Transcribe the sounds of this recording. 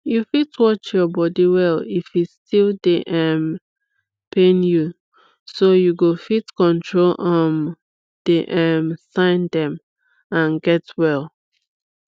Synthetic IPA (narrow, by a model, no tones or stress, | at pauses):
jufitwɔt͡ʃjɔbɔdiwɛlifistʰilˠdeʔɛm | pʰẽnju | sojuɡofitkɔ̃ntʰɹolʔɔ̃m | d̥eʔɛmsãɪ̃ndɛ̃m | ãnɡɛtwɛlˠ